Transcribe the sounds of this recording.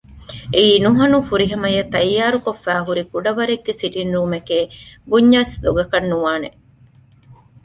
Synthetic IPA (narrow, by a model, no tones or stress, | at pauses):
eiːnuɦɐnufuɾiɦɐmɐjɐt̪ɐjːaːɾukofːæːɦuɾikuɖɐʋɐɾeɡːesiʈinɾuːmɐkeːbuɲːaːsd̪oɡɐkɐnːuʋaːne